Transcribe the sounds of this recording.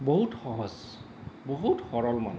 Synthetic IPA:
boɦutxɔɦɔz | boɦuthɔɹɔlma̰n

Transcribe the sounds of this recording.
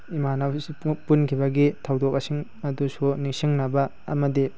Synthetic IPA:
imanasipunkʰibɐɡitʰawdɔk̚asiŋ | ɐdusunisiŋnɐbɐ | ɐ̰mɐdi

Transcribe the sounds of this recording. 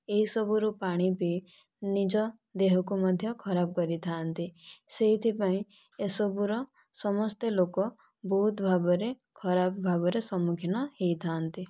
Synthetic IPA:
eɦisɔbuɾupaɽ̃ipi | nid͡ʒɔ | d̪eɦɔkumad̪ʱjɔkʰɔɾab̚kɔɾit̪ʰant̪iseɦit̪ʰipaĩ | esɔbuɾɔ | sɔmɔst̪elokɔ | bɔɦut̪bʱabɔɾe | kʰɔɾabbʱabɔɾesɔmukʰinɔhejt̪ʰant̪i

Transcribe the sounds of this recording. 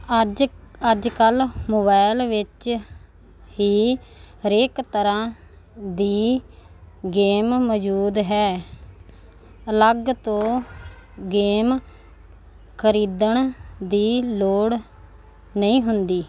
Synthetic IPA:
əd͡ʒkəlmoːbaːɪlʋɪt͡ʃ | ɦiː | ɾeːkt̪əɾãː | d̪iː | ɡeːmːəd͡ʒuːd̪ɦɛː | ələɡt̪õː | ɡeːm | kʰəɾiːd̪əɳd̪iːloːɽ | nəĩːɦʊnd̪iː

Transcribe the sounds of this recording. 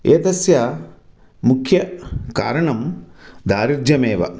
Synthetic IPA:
eːt̪ɐsjɐ | mukʰjɐka̰ːɾɐɳɐmd̪aːɾiɾd͡ʒ̪jɐmeːʋɐ̰

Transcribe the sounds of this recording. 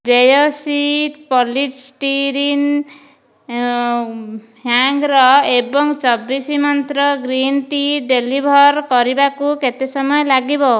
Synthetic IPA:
d͡ʒejosiʈpɔliʈsʈiɾin | ɦaŋɡɾɔebɔŋt͡ʃɔbisimɔnt̪ɾɔɡɾinʈiɖelibʱɔɾkɔɾibakuket̪esɔmɔjɔlaɡibɔ

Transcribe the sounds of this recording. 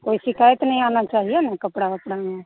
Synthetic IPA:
koːisɪkʰaːjət̪nəĩaːnat͡ʃaːɦiaːmɛ̃ːkəpɽakəpɽaːmɛː

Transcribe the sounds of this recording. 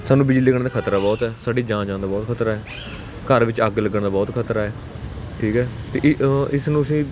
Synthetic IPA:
saːnũːbɪd͡ʒliːləɡəɳ̃d̪aːkʰət̪ɾaːbɔːt̪ɛːsaːɖiːd͡ʒãːd͡ʒãːnd̪aːbɔːt̪kʰət̪ɾaːɦɛː | kəɾʋɪt͡ʃəɡləɡəɳd̪aːbɔːt̪kʰət̪ɾaːɛː | ʈʰiːkɦɛːt̪eːʔɪsnũːəsĩː

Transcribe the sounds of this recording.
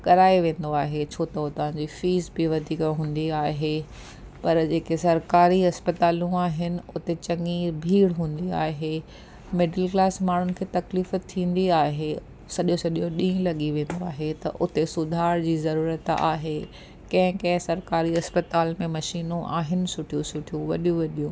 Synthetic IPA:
kɐɾaːiʋẽːn̆d̪oaːɦet͡ɕʰoːt̪ɐʊt̪ɐʋ̤ãɲd͡ʑifiːzbɪʋɐd̪ʱiːkɦũːn̆d̪iaːɦe | pɐɾd͡ʑeːkesɐɾkaːɾiɦɐspɐt̪aːlũaːɦɪnɪ̆ʊt̪et͡ɕɐ̃ŋibʱiːɽɦũːn̆d̪iaːɦe | mɪɖəlklaːsmaːɳ̤ʊnɪ̆kʰeːt̪ɐkliːfət̪ʰːĩːn̆d̪iaːɦe | sɐɗijõsɐɗijoɗĩːlɐɠiʋẽːn̆d̪oaːɦet̪ɐʔʊt̪esʊd̪ʱaːɾd͡ʑiːzɐɾuːɾət̪a̰ːɦe | kɐ̃ɦɪ̃kɐ̃ɦɪ̃sɐɾkaːɾiɦɐspət̪aːlmẽmɐʃiːnũʔa̰ːɦɪnɪ̆sʊʈʰijũsʊʈʰijũʋɐɗijũʋɐɗijũ

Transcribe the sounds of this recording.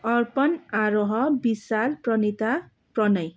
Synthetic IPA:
ʌrpʌnaɾoɦʌbisalprʌnit̪a | prʌnʌj

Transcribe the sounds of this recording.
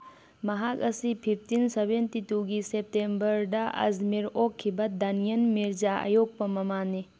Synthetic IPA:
mɐɦak̚ɐsipʰipʰtinsebentituɡisep̚tembɐɾdɐʔɐ̰zmiɾokʰːibɐd̪ɐnijɐnmiɾzaa̰jok̚pɐmɐmani

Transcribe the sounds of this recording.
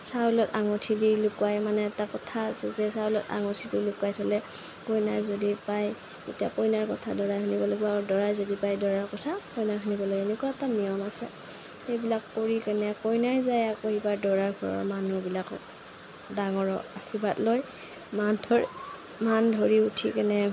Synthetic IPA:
saulɔtaŋotʰidilʊkwajmanɛːtakɔtʰaːsɛzɛsaulɔta̰ŋɔtʰidilukwajtʰɔlɛ | kojnajzodipaj | ḛtijakojnaɹkɔtʰadɔɹajhʰunibɔlɔɡibadɔɹajzodipajdɔɹaɹkɔtʰakɔjnaɦunibɔlojɛnɛkwaɛtanijɔmasɛ | xejbilakːoɹikanɛkɔjnajzajakoibaɹdɔɹaɹɡʱɔɹɔ̰ɹmanubilak | daŋɔɹɔakʰibatloj | mandʱɔɹ | mandʱoɹiutʰikanɛ

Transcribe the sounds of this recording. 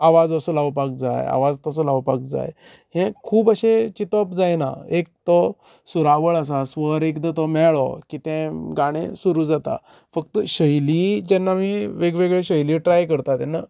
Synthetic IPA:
aʋad͡zəsəlaʋpakd͡za̰ja̰ʋad͡zt̪əs̬əlaʋpak̚d͡za̰j | ɦɛ̃kʰuːbaɕẽt͡ɕit̪ɔpd͡zajna̰ek̚t̪ɔ | suɾaʋəɭas̬asʋəɾekd̪ət̪ɔmɛɭɔ̰kit̪ɛ̃ɡaɽ̃ḛ̃suɾuːd͡zat̪a̰ | fək̚t̪əɕəjlid͡ʑɛnːamiʋeɡʋeɡɭeɕəjliʈɾajkəɾt̪at̪ɛnːa

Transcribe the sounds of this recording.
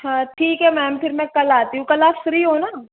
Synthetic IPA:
ãːʈʰiːkɦɛmɛːmpʰɪɾmɛ̃kɐlaːt̪iɦũkɐlaːsɾiːɦoːnaː

